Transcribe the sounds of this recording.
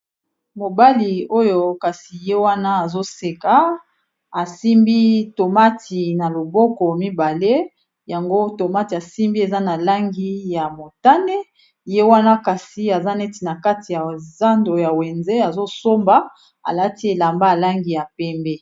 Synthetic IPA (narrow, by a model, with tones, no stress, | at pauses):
mo˨ba˦li˨o˦jo˦ka˨si˨je˦wa˦na˦a˨zo˦se˨ka˨ | a˨si˦mbi˦to˨ma˦tʰi˨na˨lo˨bɔ˦kɔ˨mi˦ba˨le˦ | ja˨ŋɡo˦to˨ma˦ti˨a˨si˦mbi˦e˨za˦na˨la˦ŋɡi˦ja˨mo˨ta˦ne˦ | je˦wa˦na˦ka˨si˨a˨za˦nɛ˦ti˨na˨ka˦ti˨ja˨za˦ndo˨ja˨wɛ˨nzɛ˦a˨zo˦so˦mba˨ | a̰˨la˦ti˦e˨la˨mba˦a˨la˦ŋɡi˨ja˨pɛ˦mbɛ˦